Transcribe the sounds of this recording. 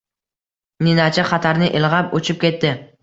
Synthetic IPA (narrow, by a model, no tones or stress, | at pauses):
ninat͡ʃʰaχat̪ʰaɾnɪʔɪlʁapɵt͡ʃʰɪp̚kʲe̞t̪ːɪ